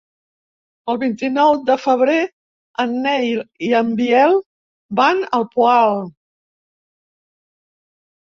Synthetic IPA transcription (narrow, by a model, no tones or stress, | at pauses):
əlˠβint̪inɔwd̪əfəβ̞ɾe | ənːɛjliəmbiɛlˠ | banəlˠpualˠ